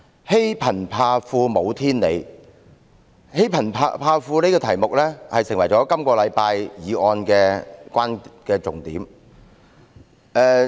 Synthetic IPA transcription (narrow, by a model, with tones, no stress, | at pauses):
he˥jpʰɐ˨˩npʰaː˧fuː˧mo˨˧wt̪ʰiː˥nle˨˧j | he˥jpʰɐ˨˩npʰːpʰaː˧fuː˧ne˥kɔ˧t̪ʰɐ˨˩jmʊ˨k̚lɛː˥hɐ˨jsɪ˨˩ŋwɐ˨˩jt͡sɔː˨˥kɐ˥mkɔː˧lɐ˨˧jpaː˧jjiː˨˧ʔɔː˧nkɛː˧kʷaː˥nkɛː˧t͡sʊ˨ŋt̪iː˨˥m | ɛː˧